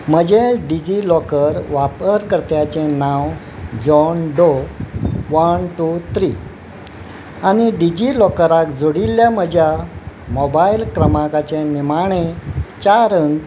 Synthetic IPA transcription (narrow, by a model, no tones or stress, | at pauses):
m̤əd͡ʑeɖid͡ʑilɔkəɾʋapəɾkəɾt̪jat͡ɕenãw | d͡ʑɔnɖo | ʋənʈut̪ʰɾi | añiɖid͡ʑilɔkəɾakd͡zoɽilːjaməd͡ʑjamɔbailkɾəmakat͡ɕenimaɽ̃et͡ɕaɾən